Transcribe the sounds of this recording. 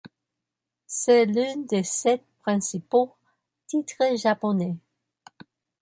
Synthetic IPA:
sɛlynd̪esɛt̪̚pχɛ̃sipo | t̪it̪χəʒapɔnɛ

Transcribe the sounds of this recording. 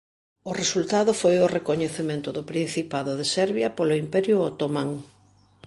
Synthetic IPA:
ʊresult̪aðʊfojʊrekoɲeθemẽnt̪ʊðʊpɾin̟θipaðʊðesɛɾβjɐpolʊimpɛɾjʊot̪omãŋ

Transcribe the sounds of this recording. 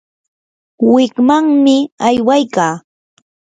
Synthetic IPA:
wɪkmaŋmɪajwajkaː

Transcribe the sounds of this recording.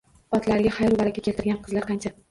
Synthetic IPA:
ɒt̪laɾɪɡʲahajɒlˠbaɾakʲakʲe̞lt̪ʰɪɾɡʲanqʰɨzlaɾqɑnt͡ʃʰa

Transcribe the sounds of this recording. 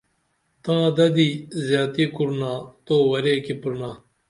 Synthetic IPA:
t̪ãːd̪ɐd̪iːzjaːt̪iːkuɾnaːt̪oːwɐɾeːkipuɾnãː

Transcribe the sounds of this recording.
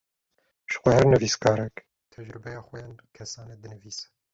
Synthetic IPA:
ʒ̥xʷɛhɛɾnɨviːskʰɑːɾɛk | t̪ʰɛʒɾɨbɛjɑːxwɛjɑːnkʰɛsɑːneːd̪ɨnɨviːsɛ̥

